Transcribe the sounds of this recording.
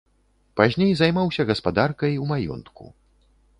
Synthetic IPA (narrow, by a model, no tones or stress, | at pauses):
pazʲnʲejzajmawsʲɐɣɐspad̪arkɐjumajɔ̰nt̪kṵ